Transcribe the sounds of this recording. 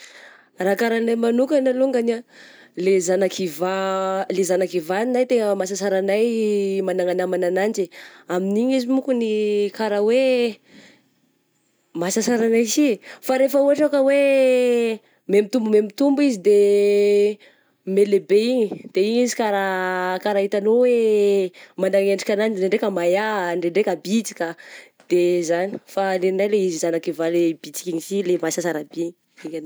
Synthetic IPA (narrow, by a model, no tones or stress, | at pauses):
rakaɾanajmanukanaluŋɡana | lezanakivalezanakivaninajt̪eŋəmasasaɾanajmanaŋanamananand͡ʒiaminiɲizimukunikaɾawe | masasaɾanajsifaɾefəuɦaʈ͡ʂakəwe | memit̪umbumemit̪umbuizid̪e | melebeiɲid̪̥eiɲizikaɾakaɾait̪anowe | manaŋeɳɖ͡ʐikʲananieɳɖ͡ʐekəmajaɳɖ͡ʐeɳɖ͡ʐekabit͡si̥kʲa | d̪̥ezani̥faleninajleizizanakivaleb̥it͡si̥kʲiɲisilemasasaɾabeɲi | iɡano